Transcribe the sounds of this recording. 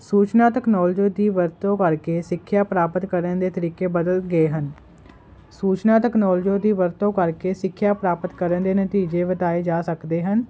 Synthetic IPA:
suːt͡ʃnaːt̪ɛːknɔːld͡ʒõːd̪iːʋəɾt̪õːkəɾkeːsɪkʰːjaːpɾaːpət̪kəɾənd̪eːt̪əɾiːkeːbəd̪əlɡəeːɦən | suːt͡ʃnaːt̪ɛknɔːld͡ʒõːd̪iːʋəɾt̪õːkəɾkeːsɪkʰːjaːpɾaːpət̪kəɾənd̪eːnət̪iːd͡ʒeːbət̪aːeːd͡ʒaːsəkd̪eːɦən

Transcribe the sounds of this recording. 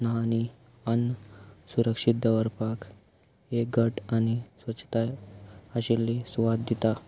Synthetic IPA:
naɦani | ənːsuɾəkʂit̪̚d̪əʋəɾpak | eɡəʈañisʋəɕʰt̪ajəɕilːisuʋad̪̚d̪it̪a

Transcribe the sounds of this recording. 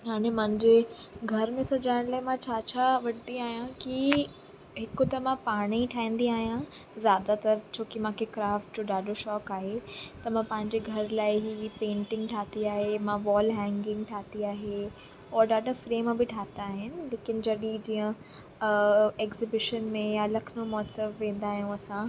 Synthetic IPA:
ɦaːɽ̃emãɪ̃ɲd͡ʑe | ɡʱɐɾmẽsɐd͡ʑaːɪɽ̃laːɪmãt͡ɕʰaːt͡ɕʰaʋɐɽt̪iaːɦijãki | ɦɪkʊt̪ɐmãpaːɽ̃iiʈʰaːĩːnd̪iaːɦijã | zjaːd̪at̪ɐɾt͡ɕʰoːkimãːkʰekɾaːfʈ̚d͡ʑoːɗaːɗoʃɔːkaːɦet̪ɐmãːpɐ̃ɦɪ̃ɲd͡ʑeɡʱɐɾlaːɪɦipẽːɳʈɪ̃ŋɡʈʰaːt̪iaːɦemãʋɔːlɦɛ̃ːŋɡɪ̃ŋɡʈʰaːt̪iaːɦe | ɔːɾɗaːɗafɾeːmbɪʈʰaːt̪aːɦɪnɪ̆leːkɪnɪ̆d͡ʑɐɗid͡ʑiːə̃ | eːkzɪbɪʃənmẽjalɐkʰɪnomɔːsəmʋẽːn̆d̪aːɦijũɐsã

